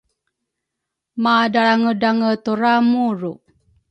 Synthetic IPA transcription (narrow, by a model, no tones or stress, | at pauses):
madaaŋədaŋət̪uɾamuɾuʔ